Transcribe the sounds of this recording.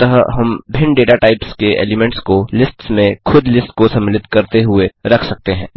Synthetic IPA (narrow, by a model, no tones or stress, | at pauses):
t̪ɐɦɦɐmbʱɪ̃ɳɖeːʈaʈaːɪpskeʔḛːlɪmɛ̃ːɳʈskolɪsʈsmẽxʰʊd̪ʱlɪsʈkosɐ̃mːɪlɪt̪kɐɾt̪eɦʊeɾɐkʰsɐk̚t̪eɦɛ̃ː